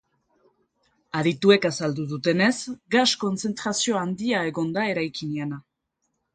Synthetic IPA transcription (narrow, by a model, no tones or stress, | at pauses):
aɾit̪ue̞kasald̪uðut̪e̞ne̞zɡasko̞nt͡se̞nt̪ɾasio̞and̪iae̞ɣo̞nd̪ae̞ɾajkiniana